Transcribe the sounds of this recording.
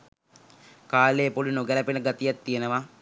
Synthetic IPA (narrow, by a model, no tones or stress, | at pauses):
kaːleːpolunoɡæləpenəɡat̪ijat̪ːijenəʋa